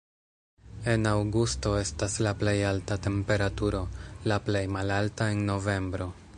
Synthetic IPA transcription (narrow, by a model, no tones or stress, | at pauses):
e̞nawɡusto̞e̞staslaple̞jaltate̞mpe̞ɾatuɾo̞laple̞jmalaltae̞nːo̞ve̞mbɾo̞